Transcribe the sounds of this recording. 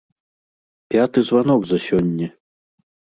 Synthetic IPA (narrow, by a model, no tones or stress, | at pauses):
pʲat̪ɨzvan̪ɔɡzɐsʲɔnʲːɛ